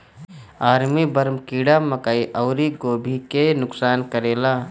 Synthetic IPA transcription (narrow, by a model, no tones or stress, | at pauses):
aːɾmibəɾmkiːɽaməkaiʔəʊɾiɡoːbʱikenʊksaːnkəɾeːla